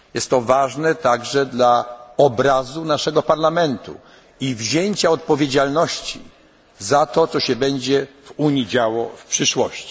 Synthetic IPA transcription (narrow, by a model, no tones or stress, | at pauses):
jɛst̪ːɔvaʐnɛt̪aɡʐɛd̪laɔbɾazunaʂɛɡɔpaɾlamɛnt̪ṵ | ivʑeɲt͡ɕaɔt̪̚pɔvʲjed͡ʑalnɔɕt͡ɕḭ | zat̪ɔt̪sɔɕɛbɛɲd͡ʑɛv̥uɲid͡ʑawɔfpʂɘʂwɔɕt͡ɕi̥